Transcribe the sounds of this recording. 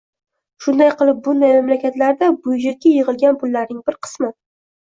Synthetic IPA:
ʃʊnd̪ajqɨlˠɪp̚bʊnd̪ajmamlakʲʰat̪laɾd̪abʊjd͡ʒakʲːajeʁɨlˠɡʲanpʊlˠːaɾnɪŋbɪɾqʰɨ̥smɪ

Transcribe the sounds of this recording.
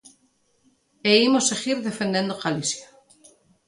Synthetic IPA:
eimoseɣiɾðefend̪end̪oɣalisja

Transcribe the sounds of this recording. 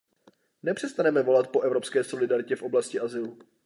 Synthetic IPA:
nɛpr̥ɛst̪anɛmɛvo̞lat̪po̞ʔɛvɾo̞pskɛːso̞lɪdaɾɪcɛfʔo̞blascɪʔazɪlu

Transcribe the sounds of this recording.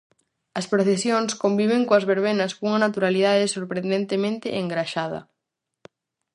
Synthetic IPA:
ɐspɾoθesjoŋskombiβ̞eŋkoɐzβeɾβenɐskuŋɐnat̪uɾaliðaðɪsoɾpɾẽnd̪ẽnt̪emẽnt̪ɪʔeŋɡɾaʃað̞ɐ̰

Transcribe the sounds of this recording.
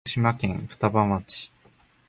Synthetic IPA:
ɕimakẽŋɸɯ̥t̪abãm̃at͡ɕi̥

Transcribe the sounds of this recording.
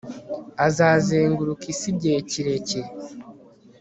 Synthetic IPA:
azaːzeːŋɡuɾukisibɟeciɾe̞ceɾ

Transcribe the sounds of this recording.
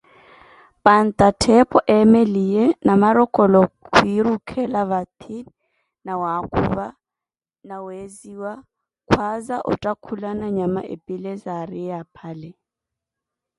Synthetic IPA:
pʼan̩t̪ʼatʰɛpʼɔʔɛmelijɛnamaɾɔkʼɔlɔkʰuiɾukʰɛlaβat̪ʰin | nawakʰṵːβa | naweziwa | kʰwazaʔʊ̰tʼakʰulanaɲama̰ʔḛpʼilezarɪapʰaːlɛ

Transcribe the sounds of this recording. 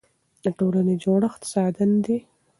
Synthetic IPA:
d̪̥əʈolaned͡ʒoɽəxt̪ɪ̥sɑd̪and̪e

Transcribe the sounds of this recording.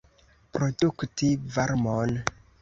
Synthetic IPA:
pɾo̞duktivaɾmon

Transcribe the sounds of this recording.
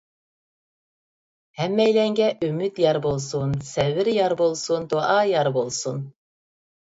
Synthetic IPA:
hɛmːɛjlɛŋɡʲɛʔymyt̪jɑɾbolˠsunsɛvɪɾjɑɾbolˠsund̪oʔɑjɑɾbolˠsun

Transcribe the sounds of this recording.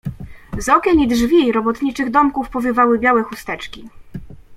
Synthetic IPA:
zɔkʲɛmid̪ʐvʲiɾɔbɔt̪ɲit͡ʂɘɣd̪ɔmkufpɔvʲɘvawɘbʲjawɛxust̪ɛt͡ʂkʲi

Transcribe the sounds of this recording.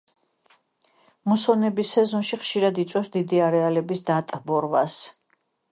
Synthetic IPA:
musɔnɛbisɛzɔnʃiχʃiɾad̪it̪sʼwɛfsd̪id̪iaɾɛalɛbisd̪at̪ʼbɔɾvas

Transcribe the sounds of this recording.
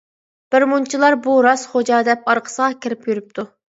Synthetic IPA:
b̥ɪɾmunt͡ʃʰilˠɑɾbuɾɑsχod͡ʒɑːd̪ɛp̚ɑɾqʰə̥səʁɑkʲʰɪɾɪpjyɾyp̚t̪ʰu

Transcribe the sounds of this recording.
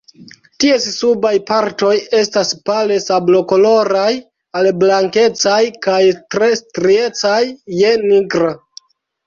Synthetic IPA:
tie̞ssubajpaɾto̞je̞staspale̞sablo̞ko̞lo̞ɾaj | alblaŋke̞t͡sajkajtɾe̞stɾie̞t͡sajːe̞niɡɾa

